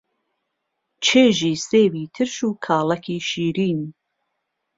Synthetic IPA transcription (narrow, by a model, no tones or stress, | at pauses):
t͡ʃʰeːʒiːseːwiːt̪ʰɨɾʃuːkʰaːlɐkʰiːʃiːɾiːn